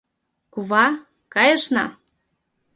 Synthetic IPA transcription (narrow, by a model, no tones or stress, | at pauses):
kuβɑ | kɑjəʃnɑ̰